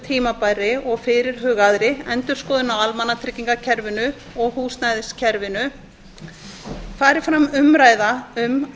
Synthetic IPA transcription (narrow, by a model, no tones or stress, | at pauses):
t̪ʰiːmapajɾɪʔɔɣfɪɾɪɾ̥ɦʏːɣaðɾɪɛnt̪ʏɾ̥skɔːðɪnawalmanːat̪ʰɾɪcːiŋkacʰɛɾvɪnʏ | ɔɣhuːsnajðscʰɛɾvɪnʏ | faːɾɪfɾamʏmɾaːjðaʏm